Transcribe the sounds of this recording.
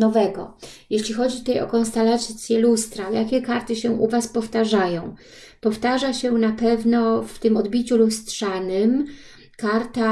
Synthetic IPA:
nɔvɛɡɔ̰jeɕlʲixɔd͡ʑit̪ut̪ajɔ̰kɔnst̪alat̪t̪sʲjɛlust̪ɾajakʲɛkaɾt̪ɘɕɛʔuvaspɔft̪aʐajɔ̃w̃ | pɔft̪aʐaɕɛnapɛvnɔft̪ɘmɔd̪bʲit͡ɕulust̪ʂanɘm | kaɾt̪a

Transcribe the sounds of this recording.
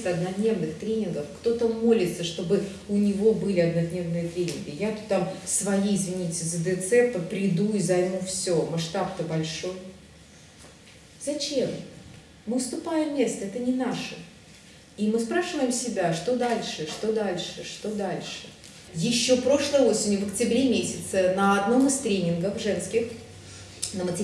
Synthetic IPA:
t̪ɐd̪nɐd̪nʲe̞vnɨxt̪ɾʲenʲɪnɡəfkt̪o̞t̪əmo̞lʲɪt̪səʂt̪o̞bɨ | ʊnʲɪvo̞bɨlʲɪɐd̪nɐd̪nʲe̞vnɨjət̪ɾʲenʲɪnɡʲɪjat̪u̥t̪ːamsvɐjiɪzvʲɪnʲitʲɪzəd̪ɛt̪sɛt̪əpɾʲɪd̪uɪzɐjmufsʲomaʂt̪ap̚t̪əbɐlʲʂo̞j | zɐt͡ɕe̞m | mɨfst̪ʊpajɪmːʲe̞st̪əɛt̪ənʲɪnaʂə | imɨspɾaʂɨvəjɪmsʲɪbʲaʂt̪o̞d̪alʲʂɨʂt̪o̞d̪alʲʂɨʂt̪o̞d̪alʲʂɨ | jɪɕːo̞pɾo̞ʂlˠəjo̞sʲɪnʲjʊvəktʲɪbɾʲemʲesʲɪt̪sənəɐd̪no̞mɨst̪ɾʲenʲɪnɡəfʐɛnskʲɪx | nəmətʲɪ

